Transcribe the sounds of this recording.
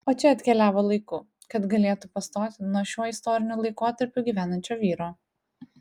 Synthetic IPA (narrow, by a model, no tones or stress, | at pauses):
oːt͡ʃʲɛɐt̪ʲkʲɛlʲæːʋoːlˠɐɪkʊ | kɐt̪ɡɐlʲeːt̪ʊpɐst̪oːt̪ʲɪnuɔʃʲuɔɪst̪ɔːɾʲɪnʲʊlˠɐɪkoːt̪ɐɾʲpʲʊɡʲiːʋʲæːnɐnʲt͡ʃʲoːʋʲiːɾoː